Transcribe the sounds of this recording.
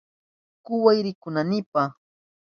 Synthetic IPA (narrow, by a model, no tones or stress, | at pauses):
kʊwajɾɪkʊnanɪpa